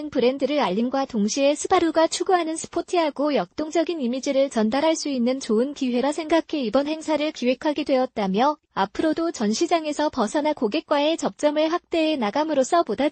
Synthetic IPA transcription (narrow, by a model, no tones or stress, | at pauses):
npɯɾe̞ndɯɾɯɭaʎːinɡwatoŋɕʰie̞sʰɯbaɾuɡat͡ɕʰuɡuɦanɯnsʰɯ̥pʰotʰɯɦaɡojʌk̚t͈oŋd͡ʑʌɡinimid͡ʑiɾɯɭt͡ɕʌndaɾɦaɭs͈uinːɯnt͡ɕoɯnkiɦe̞ɾasʰe̞ŋɡakʰe̞ibʌnhe̞ŋsʰaɾɯɭkiwe̞kʰaɡidwe̞ʌt̚t͈amjʌ | apʰɯɾodot͡ɕʌnɕʰid͡ʑaŋe̞sʰʌpʌsʰʌnakoɡe̞k̚k͈wae̞t͡ɕʌp̚t͡ɕ͈ʌmɯɭɸak̚t͈e̞enaɡamɯɾos͈ʰʌpoda